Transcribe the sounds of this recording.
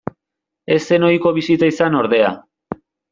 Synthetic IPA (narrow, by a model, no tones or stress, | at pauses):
e̞se̞no̞iko̞βisit̪aisano̞ɾðe̞a̰